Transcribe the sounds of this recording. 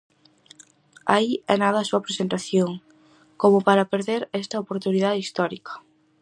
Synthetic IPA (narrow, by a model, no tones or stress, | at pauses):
a̰iɛnaðɐːsuɐpɾesent̪aθjoŋ | komʊpaɾɐpeɾðeɾɛst̪ɐopoɾt̪unið̞aðeist̪ɔɾikɐ̥